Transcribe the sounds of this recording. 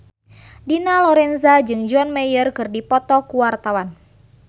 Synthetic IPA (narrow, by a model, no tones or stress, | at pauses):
dinalɔɾɛnzad͡ʒɨŋd͡ʒɔnmɛjərkɨrdipɔt̪ɔkuwart̪awan